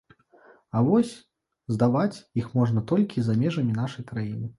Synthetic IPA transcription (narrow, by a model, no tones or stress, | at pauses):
avɔsʲ | zd̪avat͡sʲjixmɔʐnɐt̪ɔlʲkʲizamʲɛʐɐmʲin̪aʂɐjkɾajinɨ